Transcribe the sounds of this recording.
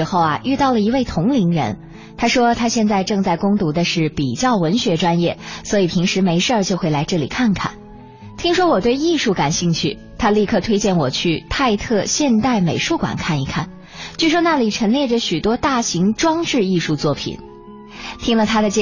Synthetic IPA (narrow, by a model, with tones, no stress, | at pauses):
xo˥˩ʊa̰˩y˥˧t̪ɑ˥˩ʊlə˩i˧˥we˥˩ɪt̪ʰʊ˧˥ŋli˧˥ŋɻə̰˧˥n | t̪ʰa˥ʂwɔ˥t̪ʰa˥ɕjɛ˥˧nt͡sa˥˧ɪʈ͡ʂɤ˥˧ŋt͡sa˥˩ɪkʊ˥ŋt̪u˧˥d̪ə˧ʂɻ̩˥˩pi˨˩t͡ɕjɑ˥˩ʊwə˧˥nɕɥɛ˧˥ʈ͡ʂwa˥njɛ˥˩swɔ˧˥i˨˩p̪ʰi˧˥ŋʂɻ̩˧˥me˧˥ɪʂə˞˥˧˩t͡ɕjo˥˧ʊxwe˥˩ɪla˧˥ɪʈ͡ʂɤ˥˩li˨˩kʰa˥˩nkʰa̰˥˩n | t̪ʰi˥ŋʂwɔ˥wɔ˨˩t̪we˥˧ɪi˥˧ʂu˥˩ka˨˩nɕi˥˧ŋt͡ɕʰy˥˩ | t̪ʰa˥li˥˧kʰɤ˥˧˩t̪ʰwe˥ɪt͡ɕjɛ˥˩nwɔ˨˩t͡ɕʰy˥˧t̪ʰa˥˧ɪt̪ʰɤ˥˧ɕjɛ˥˧nt̪a˥˩ɪme˨˩ɪʂu˥˩kwa̰˨˩nkʰa˥˩ni˧˥kʰa˥˩n | t͡ɕy˥˧ʂ̬wɔ˥na˥˩li˨˩ʈ͡ʂʰɤə˧˥ŋljɛ˥˩ʈ͡ʂə˩ɕy˨˩t̪wɔ˥t̪a˥˩ɕi˧˥ŋʈ͡ʂwɑ˥ŋʈ͡ʂɻ̩˥˧i˥˧ʂu˥˧t͡swɔ˥˩pʰḭ˨˩˦n | t̪ʰi˥ŋlə˨t̪ʰa˥d̪ə˨t͡ɕɛ˥